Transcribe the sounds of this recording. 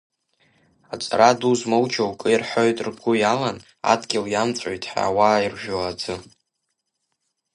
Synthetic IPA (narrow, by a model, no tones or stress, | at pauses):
at͡sʼaɾaduzmowt͡ʃʰawkʼɨjirħʷojtʼrɡʷʊjalan | a̰dɡʲɪljamt͡sʷʼojtʼħa̰wairʒᶣoad͡zɨ